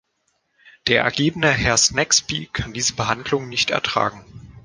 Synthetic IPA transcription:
d̥eːɐʔɛ̰ɐɡeːbənəhɛɐsnɛkspiːkʰandiːzəbəɦandlʊŋnɪçtɛ̰ɐtʁ̥a̰ːɡŋ̩

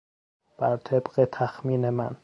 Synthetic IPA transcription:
b̥æɾt̪ʰebɢet̪ʰæxmiːnemæ̰n

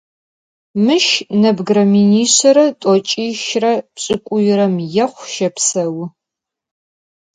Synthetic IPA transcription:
mɨʃnɐbɡɾɐminiːɕɐɾɐtʼɔt͡ʃʼiːʃrɐpɕʼɪkʷʼʊjɪɾɐmjɛχʷʃɐpsɐw

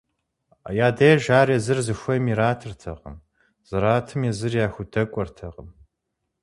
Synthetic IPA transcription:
jaːdɐjɛʒaːrezɨrzɨxʷɐmiɾaːtʰɨrtʰɐ̰ʁə̰m | z̥ɨɾaːtʰɨmjɛzɨrjaːxʷʊdʰɐkʷʼɔrtʰɐʁəm

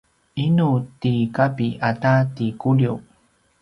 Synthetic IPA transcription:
ʔinutikapiʔatatikuli

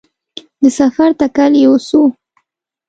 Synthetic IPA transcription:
d̪əsafaɾt̪akaljewosu

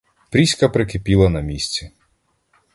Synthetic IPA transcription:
pɾʲisʲkɐpɾɪkɪpʲilˠɐnɐmʲisʲt͡sʲi

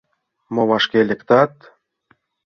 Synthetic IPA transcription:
moβɑʃkelʲɘ̆kt̪ɑt̪

